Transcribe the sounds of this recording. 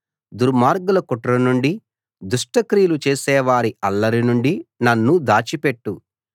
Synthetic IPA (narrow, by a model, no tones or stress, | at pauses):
d̪uɾmaːɾɡulɐkuʈɾɐnuɳɖi | d̪uʂʈɐkɾijlut͡ʃeːsɛːʋaːɾiɐlːɐɾinuɳɖinɐnːud̪aːt͡ʃipeʈːu